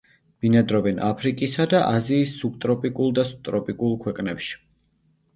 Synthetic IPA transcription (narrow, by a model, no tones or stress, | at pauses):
b̥inad̪ɾɔbɛnapʰɾikʼisad̪aʔaziːsːuk̚t̪ʼɾɔpʼikʼulˠd̪ast̪ʼɾɔpʼikʼulˠkʰwɛqʼnɛpʃi̥